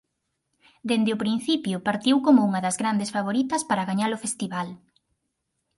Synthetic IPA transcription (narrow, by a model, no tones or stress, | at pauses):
d̪end̪eʊpɾin̟θipjʊpaɾt̪iwkomʊuŋɐðɐzɣɾand̪esfaβ̞oɾit̪ɐspaɾaɣaɲalʊfest̪iβal